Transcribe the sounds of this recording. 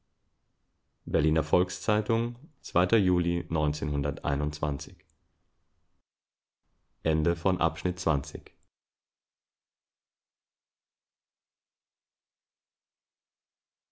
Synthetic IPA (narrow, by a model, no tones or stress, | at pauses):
bɛɐliːnɐfɔlkst͡saɪtʊŋt͡sv̥aɪtɐjuːlinɔʏnt͡seːnhʊndɐtʔa̰ɪnʊntt͡sv̥a̰nt͡sɪç | ʔɛndəfɔnʔa̰pʃnɪt̚t͡sv̥ant͡sɪ̰ç